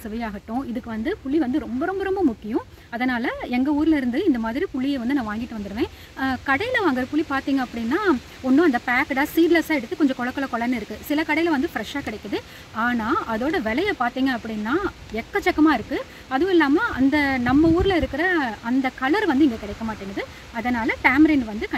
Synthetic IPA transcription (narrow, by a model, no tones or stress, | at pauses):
sɪʋɐjaːɣɐʈːʊ̃ɪðɯkːɯʋɐnd̪ɯpʊɭːiʋɐnd̪ɯɾɔmbɐɾɔmbɐɾɔmbɐmʊkːɪjʊ̃ | ɐðɐnaːlɐɛŋɡɐuːɾɪlɪɾɯnd̪ɯɪnd̪ɐmaːðɪɾipʊɭːɪjeʋɐnd̪ɯnãːʋaːŋɡɪʈːɯʋɐnd̪ɯɾɯʋẽː | kɐɽɐjɪlɐʋaːŋɡɐɾɐpʊɭːipaːɾt̪iːŋɡɐɐpːɐɽɪnːaː | ɔnːɯ̃ɐnd̪ɐpaːkɐʈaːsiːɖlɐsaːɛɽɯt̪ːɯkɔɲd͡ʒɐ̃kɔɭɐkːɔɭɐkɔɭɐnːɯɪɾɯkːɯsɪlɐkɐɽɐjɪlɐʋɐnd̪ɯfɪɾɛʂaːkɪɽɐɪkːɐðɯ | aːnaːʔɐðoːɽɐʋɛlɐjɐpaːɾt̪iːŋɡɐːpːɐɽɪnːaː | ɛkːɐt͡ʃːɛkːɐmaːɪɾɯkːɯ | ɐðɯʋ̃ɪlːaːmɐʔɐnd̪ɐnɐmːɐuːɾɪlɐɪɾɯkːɪɾɐɐnd̪ɐkɐlɐɾʋɐnd̪ɯɛŋɡekɪɽɛɪkːɐmaːʈːiːŋɡɐðɯ | ɐðɐnaːlɐʈaːmɾɐɪɳɖʋɐnd̪ɯkɐ